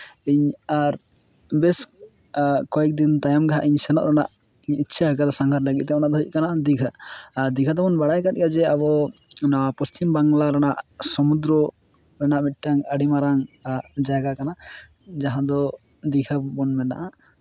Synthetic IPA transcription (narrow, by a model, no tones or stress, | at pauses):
iɲaɾ | bɛs | kɔɛk̚d̪int̪ajɔmɡaɦaʔiɲsɛnɔ̰ʔɾana̰ʔ | iɲitːʃʰaɦəkad̪ɔsaŋɡʰʱaɾləɡḭt̪̚ˀt̪ɛɔnaʔd̪ʱɔiʔ̚kanaʔd̪iɡʰʱaːɾd̪iɡʰʱad̪ɔbɔnbaɽajkat̪̚ˀɡad͡ʒɛabɔ | naapɔst͡ʃimbaŋlaɾɛnaʔsɔmud̪ɾɔ | ɾɛnaʔmit̪̚ʈaŋəɽimaɾaŋaɾd͡ʒaɡakana | d͡ʒaɦãd̪ɔ | d̪iɡʰabɔnmɛna̰ʔa